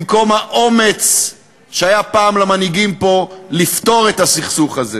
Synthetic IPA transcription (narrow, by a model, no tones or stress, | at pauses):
mko̞mhaʔome̞t͡s | ʃeajapaːmlamaniɡimpo̞lift̪o̞ʁe̞t̪hasiχsuχaze